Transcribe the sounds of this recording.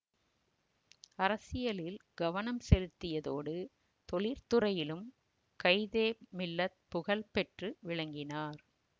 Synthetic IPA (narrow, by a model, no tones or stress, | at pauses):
ɐɾɐsɪjɐlɪlɡɐʋɐnɐmsɛlɯt̪ːɪjɐðoːɽɯ | t̪ɔɭɪɾt̪ɯrɐjɪlɯm | kɐɪðeːmɪlːɐ | pʊɣɐɭpɛʈrɯʋɪɭɐŋɡɪnaːɾ